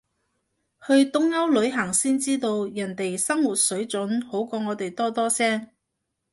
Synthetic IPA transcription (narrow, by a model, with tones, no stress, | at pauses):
hɵ˧ɥt̪ʊ˥ŋjɐ˥wlɵ˨˧ɥɦɐ˨˩ŋsiː˥nt͡siː˥t̪o˧wjɐ˨˩nt̪e˨jsɐ˥ŋwuː˨˩t̚sɵ˨˥ɥt͡sɵ˨˥nho˨˥wkɔː˧ŋɔː˨˧t̪e˨jt̪ɔː˥t̪ɔː˥sɛː˥ŋ